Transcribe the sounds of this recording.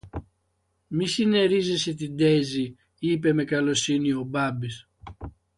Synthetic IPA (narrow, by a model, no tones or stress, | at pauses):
misineɾizisit̪id̪ezi | ip̬emekɐlosiniobabis